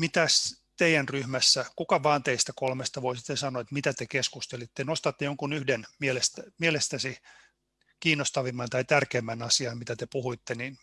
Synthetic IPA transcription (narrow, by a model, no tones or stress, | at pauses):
mit̪æs | t̪eijænryhmæsːækukɑʋɑːnt̪eist̪ækolmest̪ɑʋoisi̥t̪ːesɑnoet̪mit̪æt̪ekeskust̪elit̪ːenost̪ɑt̪ːejoŋkunyhdenmielest̪æmielest̪æsi | kiːnːost̪ɑʋimːɑnt̪ɑit̪ærkeːmːænɑsiɑmit̪æt̪epuhuit̪ːenin